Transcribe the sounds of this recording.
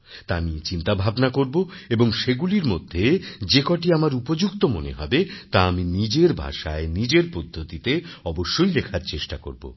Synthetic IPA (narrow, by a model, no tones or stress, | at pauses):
t̪amiet͡ɕint̪abʱabnakoɾboeboŋʃeɡuliɾmo̰d̪ʱːed͡ʑekɔʈiamaɾupod͡ʑukt̪omoneɦɔbet̪aaminid͡ʑeɾbʱa̰ʃa̰enid͡ʑeɾpod̪ʱːot̪it̪eɔboʃːojlekʰaɾt͡ɕeʃʈako̰ɾbo̰